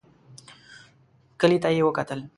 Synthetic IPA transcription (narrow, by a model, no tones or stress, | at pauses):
kəlit̪ajiwokat̪əl